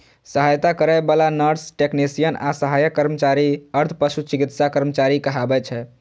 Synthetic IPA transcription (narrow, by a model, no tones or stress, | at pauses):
səɦajt̪akəɾajbalanəɾsʈeknisijənasəɦajəkːəɾmət͡ʃaɾiəɾt̪ʰpəʃut͡ʃikit̪sakəɾmət͡ʃaɾikəɦabɛt͡ʃʰɛ